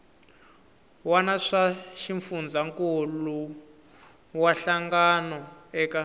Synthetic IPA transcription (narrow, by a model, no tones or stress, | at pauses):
wanaʂaʃiɱfund͡zaŋkolu | waɬaŋɡanɔɛːka